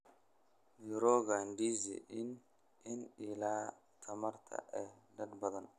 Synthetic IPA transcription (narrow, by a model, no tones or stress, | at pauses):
niɾɔɡandizɛ̰ʔɪn | ɪnilaː | t̪ʰɐmɐrt̪ʰɐ̰ʔɛdɐnbɐðɐn